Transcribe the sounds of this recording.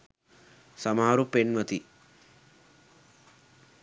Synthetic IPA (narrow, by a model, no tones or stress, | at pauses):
sɐmaɦaɾupenʋɐt̪i